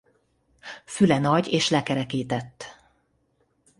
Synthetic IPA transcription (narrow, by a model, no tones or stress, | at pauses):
fylɛnɒɟeːʃlɛkɛɾɛkeːt̪ɛt̪ː